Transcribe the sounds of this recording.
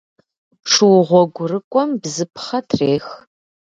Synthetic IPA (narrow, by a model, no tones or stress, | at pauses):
ʂɨwʁʷɔɡʷʊrɨkʷʼɔmbzɨpχɐtʰreːx